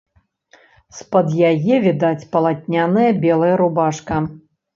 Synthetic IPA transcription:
spɐd̪jajɛvʲid̪at͡sʲpɐlˠat̪ʲnʲanɨjɐbʲɛlˠɐjɐɾubaʂkɐ

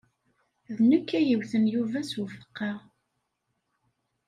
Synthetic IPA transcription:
ðnəkːæjəwθənjuvæswəfə̥qːɑ

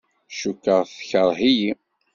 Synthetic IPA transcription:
ʃukːəʁθçəɾˤɦiji

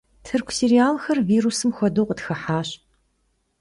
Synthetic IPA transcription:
tʰɨrkʷʰseɾiaːlxɐrviːrusɨmxʷɔdoːqətxɐħaːɕ

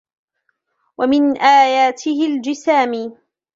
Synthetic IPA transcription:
wamɪnʔaːjaːt̪ʰɪhɪld͡ʒɪsaːmiː

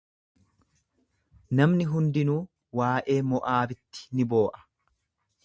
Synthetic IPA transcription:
nɐmnɪɦʊnd̪ɪnuː | waːʔe̞ːmɔʔaːbɪt̪ːɪ̥nɪbo̞ːʔɐ̥

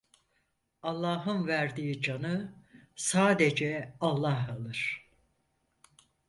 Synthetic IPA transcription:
ɑlˠːaːɦɯnvæɾd̪iːid͡ʒanɯsaːd̪ed͡ʒɛalˠːaɦalˠɯɾ̥

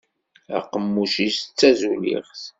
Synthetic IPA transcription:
æ̰qːəmːuʃist͡sːæzulḭʁθ

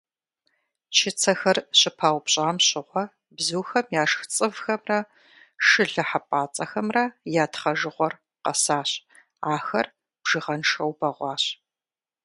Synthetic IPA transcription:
t͡ʃʰɪt͡sʰɐxɐrɕɪpʰaːwpɕʼaːmɕɪʁʷɔ | bzuːxɐmjaːʂxt͡sʼɨvxɐmrɐ | ʂɨɮɐħapʼaːt͡sʼɐxɐmrɐjaːtχɐʒɨʁʷɔr | qɐ̰saːɕ | aːxɐr | b̥ʒɨʁɐnʂɐwbɐʁʷɑːɕ

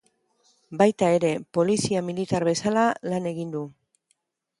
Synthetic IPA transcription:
bajt̪ae̞ɾe̞po̞lisiamilit̪aɾβe̞salalane̞ɣ̞ind̪u

